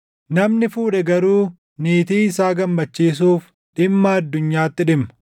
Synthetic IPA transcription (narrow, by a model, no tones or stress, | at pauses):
nɐmnɪfuːᶑɛɡɐɾuː | niːt̪iːɪsaːɡɐmːɐt͡ʃːiːs̬uːf | ᶑɪmːɐɐd̪ːʊɲːaːt̪ːɪᶑɪmɐ